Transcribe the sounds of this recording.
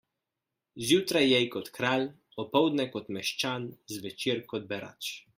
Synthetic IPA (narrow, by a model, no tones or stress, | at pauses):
zjut̪ɾajːɛjkɔt̪kɾal | ɔpɔwd̪nɛkɔt̪mɛʃt͡ʃanzvɛt͡ʃiɾkɔd̪̚bɛɾa̰t͡ʃ